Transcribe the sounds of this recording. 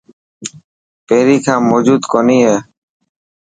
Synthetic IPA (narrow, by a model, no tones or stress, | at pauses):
peːɾiːkʰãːmoːd͡ʒuːd̪koːniːɦeː